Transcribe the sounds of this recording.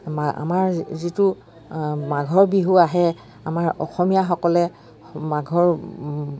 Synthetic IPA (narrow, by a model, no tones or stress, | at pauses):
a̰maɹzitu | maɡʱɔɹbiɦuaɦɛ | amaɹɔ̰xɔmijaxɔkɔlɛ | maɡʱɔɹ